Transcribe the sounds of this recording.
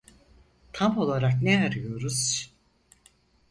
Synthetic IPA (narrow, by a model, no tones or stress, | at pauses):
t̪ʰamo̞lˠaɾakneaɾɯjo̞ɾuz̥